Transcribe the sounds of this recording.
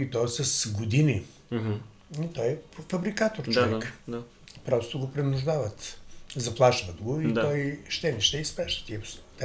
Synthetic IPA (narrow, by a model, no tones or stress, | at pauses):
it̪ɔsɐsɡʊd̪ini | it̪ɔjpfɐbɾikat̪oɾt͡ʃoɛkda | pɾɔst̪ʊɡopɾɛnʊʒd̪avət̪zɐplˠaʃvət̪ɡʊidt̪ɔjʃt̪ɛniʃt̪ɛispɾɛʃə̥t̪iɛpt̪